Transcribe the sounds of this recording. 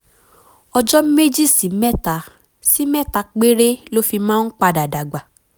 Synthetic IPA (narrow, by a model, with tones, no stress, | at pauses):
ɔ˧d͡ʒɔ˦me˦d͡ʒi˦˨si˨˦mɛ˦ta˨˦ | si˦mɛ˦˨ta˧˦k͡pe˦ɾe˦lo˦fi˧mãː˦n̩˦k͡pa˧da˨da˨ɡ͡ba˨